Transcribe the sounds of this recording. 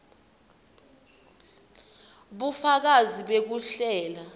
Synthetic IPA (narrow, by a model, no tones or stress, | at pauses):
ɓufak̬aziɓek̬uɬɛːla